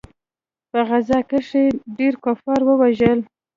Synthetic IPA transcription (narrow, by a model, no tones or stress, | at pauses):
pəɣazɑkəʂeɖeɾkofɑɾwəwaʒəl